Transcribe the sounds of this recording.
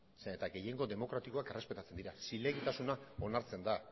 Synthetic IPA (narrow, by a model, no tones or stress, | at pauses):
et̪aɡe̞je̞ŋɡo̞ðe̞mo̞kɾat̪iko̞ake̞re̞spe̞t̪at͡se̞nd̪iɾasile̞ɣit̪asunao̞naɾt͡se̞nd̪a